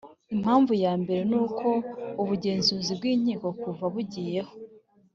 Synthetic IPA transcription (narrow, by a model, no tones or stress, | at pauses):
im̥haːɱvujaːmbe̞ɾe̞nuːkʰo̞uβuɟe̞ːnzuːzibɡiːɲ̥iːko̞kuvaβuɟiːje̞ho̞